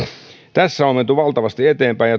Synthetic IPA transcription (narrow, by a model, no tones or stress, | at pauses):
t̪æsːæomːent̪uʋɑlt̪ɑʋɑst̪iet̪eːmpæijɑ